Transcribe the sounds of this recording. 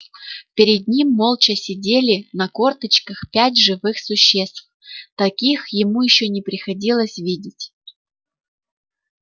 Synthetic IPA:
pʲɪɾʲɪd̪̚nʲimːolˠt͡ɕəsʲɪdʲelʲɪnɐkort̪ət͡ɕkəxpʲætʲʐɨvɨxsʊɕːest̪f | t̪ɐkʲixjɪmujɪɕːonʲɪpɾʲɪxɐdʲilˠəsʲvʲidʲɪtʲ

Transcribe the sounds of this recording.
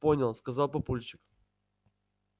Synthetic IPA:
ponʲəlˠskɐzɑlˠpɐpulʲt͡ɕɪk

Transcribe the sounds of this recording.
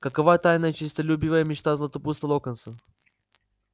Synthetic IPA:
kɐkɐvat̪ajnəjət͡ɕɪst̪ɐlʲubʲivəjəmʲɪt͡ʃt̪azlˠɐt̪ɐpust̪əlˠokənsə

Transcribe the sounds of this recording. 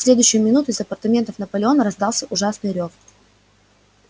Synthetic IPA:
sʲlʲe̞d̪ʊjɕːɪjʊmʲɪnut̪ʊɪzɐpərt̪ɐmʲe̞nt̪əfnəpəlʲɪo̞nəɾɐzd̪ɑlˠsʲəʔʊʐasnɨjɾʲof

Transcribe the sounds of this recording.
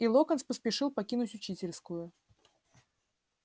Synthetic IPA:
ilˠokənspəspʲɪʂɨlˠpɐkʲinʊtʲʊt͡ɕitʲɪlʲskʊjʊ

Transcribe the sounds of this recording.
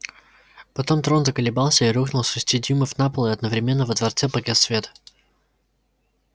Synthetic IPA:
pɐt̪o̞mt̪ɾo̞nzəkəlʲɪbalˠsʲəiɾuxnʊlˠsɨsʲtʲid̪ʲimɨvnapəlˠɪɐd̪nəvɾʲɪmʲenːəvəd̪vɐrt̪sɛpɐɡʲɛt̪svʲet̪ə̥

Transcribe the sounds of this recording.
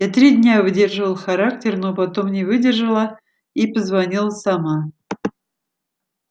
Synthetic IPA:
jat̪ɾʲidʲnʲavɨdʲerʐɨvəlˠxɐɾak̚tʲɪrno̞pɐt̪o̞mnʲɪvɨdʲɪrʐəlˠə | ipəzvɐnʲilˠəsɐma

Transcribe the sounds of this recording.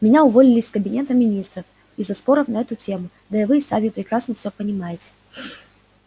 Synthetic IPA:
mʲɪnʲaʊvo̞lʲɪlʲɪsʲskəbʲɪnʲe̞t̪əmʲɪnʲist̪ɾəf | ɪzːɐspo̞ɾəfnɐɛt̪ʊtʲe̞mʊ | d̪ɐɪvɨːsamʲɪpɾʲɪkɾasnəfsʲopənʲɪmajɪtʲɪ̥

